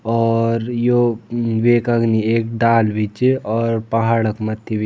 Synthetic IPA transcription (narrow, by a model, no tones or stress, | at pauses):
ɔːɾjoʋeːkɐɡnieːk̚ɖaːlʋit͡ʃɔːɾpɐɦaːɽəkmɐt̪ʰːiʋi